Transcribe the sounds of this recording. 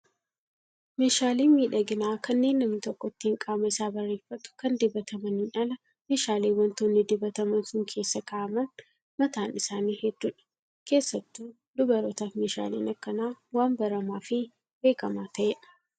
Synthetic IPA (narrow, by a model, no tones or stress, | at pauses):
meːʃaːliːnmiːᶑɐɡɪnaːkɐnːe̞ːnːɐmnɪt̪ɔkːɔt̪ːɪŋkʼaːmɐɪsaːbɐrːe̞ːfːɐt̪ʊ̥kɐnd̪ɪbɐt̪ɐmɐnɪnɐlɐ | meːʃaːleːwɐnt̪oːnːɪd̪ɪbɐt̪ɐmɐnsʊŋkʰe̞ːsːɐkaʔɐmɐn | mɐt̪aːnɪsaːniːhɛd̪ːuːᶑɐ̥ | ke̞ːsːɐt̪ːuː | d̪ʊbɐɾɔt̪aːfmeːʃa̰ːlḭːnɐkːɐnaːwaːmbɐɾɐmaːfɪ | be̞ːkɐmaːt̪ɐʔɛᶑɐ̥